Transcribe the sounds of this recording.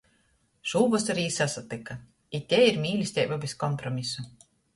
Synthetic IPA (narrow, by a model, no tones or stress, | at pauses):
ʒ̥uːvɔsaɾiːsasat̪ika | it̪ʲɛiɾmʲiːlʲist̪ʲɛjbabeskɔmpɾɔmʲisu